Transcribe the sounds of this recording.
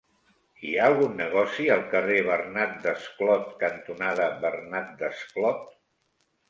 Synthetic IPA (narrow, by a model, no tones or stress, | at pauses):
iaəlˠɣunːəɣ̞ɔsiəlˠkəreβərnat̪̚d̪əsklɔt̪kənt̪unaðəβərnat̪̚d̪əsklɔt̪